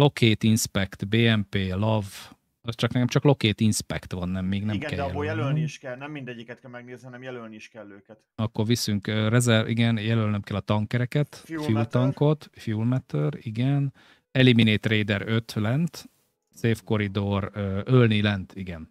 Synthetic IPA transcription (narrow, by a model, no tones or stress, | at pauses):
lo̞kʰeːt̪inspɛkt̪beːɛmpeːlɒv | ɒst͡ʃɒknɛkɛmt͡ʃɒklo̞keːt̪inspɛ̰kt̪ʋɒnːɛmːeːɡnɛmkɛjbojɛløiiʃkɛlnɛmːind̪ɛɟːikɛt̪̚kɛlmɛɡ̚neːznihɒnɛmjɛlølniiʃkɛlːøːkɛt̪ɒkːorʋisyŋkørɛzɛrʔḭɡɛnjɛlølnømkɛlːɒt̪ɒŋkɛɾɛkɛt̪ffult̪ɒŋko̞t̪fulmɛt̪øriɡɛn | ɛlimineːt̪reːd̪ɛɾøt̪lɛnt̪ | seːfko̞ɾid̪oɾøːølnilɛnt̪iɡɛn